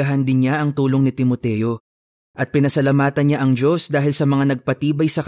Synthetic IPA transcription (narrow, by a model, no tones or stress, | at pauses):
ɐɦɐnd̪ɪnɲaʔɐŋt̪uːlo̞ŋnɪt̪ɪmot̪ɛːjo̞ | ʔɐt̪̚pɪnɐsɐlamaːt̪ɐnɲaʔɐŋd͡ʒo̞sd̪aːɦɪlsɐmɐŋanɐɡ̚pɐt̪iːbɐjsɐk